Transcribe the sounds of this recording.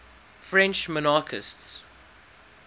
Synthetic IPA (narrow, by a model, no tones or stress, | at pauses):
fɹɛ̃nt͡ʃmɔnaːkʰɪsts